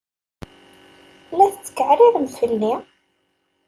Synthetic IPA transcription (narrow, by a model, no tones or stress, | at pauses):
læθət͡sːə̥kːəʕɾiðəmfəlːi